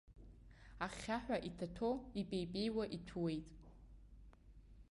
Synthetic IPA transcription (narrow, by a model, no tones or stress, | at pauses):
aχʲaħʷᶣaʔitʰatʰo̞ipʼejpʼe̞jwaʔitʰuwe̞jtʼ